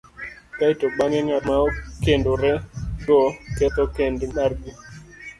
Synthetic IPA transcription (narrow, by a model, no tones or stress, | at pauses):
kaitoɡ͡baŋɛŋamaɔkendoɾɛɡɔkɛt̪ɔkendmaɾɡi